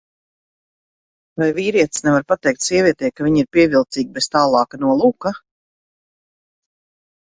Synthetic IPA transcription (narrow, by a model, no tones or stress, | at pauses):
vajviːɾiɛt̪snɛvaɾpat̪ɛjk̚t̪ʲsiɛviɛt̪ɛːjkaviɲiɾpiɛvilˠt̪siːɡ̚ʲbest̪aːlˠɑːkanuɔlˠuːka